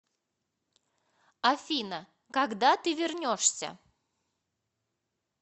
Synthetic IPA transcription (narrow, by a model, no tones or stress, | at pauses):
afʲinə | kaɡd̪at̪ɨvʲɪrnʲoʂsʲə̰